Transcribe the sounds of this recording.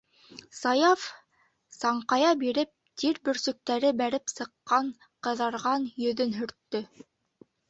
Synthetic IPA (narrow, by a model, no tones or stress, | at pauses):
sɑjɑf | sɑɴqɑjɑbiɾɘp̚t̪iɾbɵ̆ɾsɵ̆k̚t̪æɾɘbæɾɘpsɤ̆qːɑɴ | qɤ̆ðɑɾʁɑnjɵ̆ðɵnɦɵ̆ɾt̪ːɵ